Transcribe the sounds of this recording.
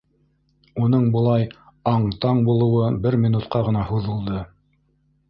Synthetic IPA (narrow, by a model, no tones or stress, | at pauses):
unɤɴbŏlˠɑj | ɑɴt̪ɑɴbulˠɤ̆wɤbɘɾmʲinut̪qɑʁɤ̆nɑhuðɤ̆lˠd̪ɤ